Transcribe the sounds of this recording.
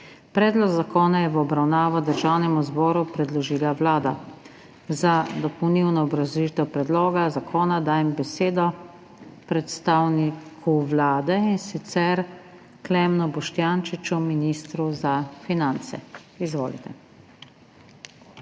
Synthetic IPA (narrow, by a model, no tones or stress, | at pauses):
pɾɛːd̪lɔɡzakɔːnajɛʋɔbɾawnaːʋɔd̪əɾʒaːwnɛmuzbɔːɾupɾɛd̪lɔʒiːlaʋlaːd̪a | zad̪ɔpɔwniwnɔːbɾazit̪ɛwpɾɛd̪lɔːɡazakʰɔːnad̪aːjɛmbɛseːd̪ɔ | pɾɛt̪st̪aːwnikʰuʋlaːd̪ɛinsit̪sɛɾ | klɛmnɔbɔʃt̪janʃit͡ʃuminiːst̪ɾuzafinant̪sɛ̰ | izʋo̰ːlḭt̪ɛ